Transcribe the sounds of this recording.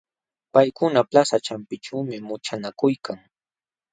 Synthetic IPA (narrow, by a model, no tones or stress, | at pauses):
pajkʊnaplasat͡ʃampɪʈ͡ʂawmɪmʊt͡ʃanakʊjkʰaŋ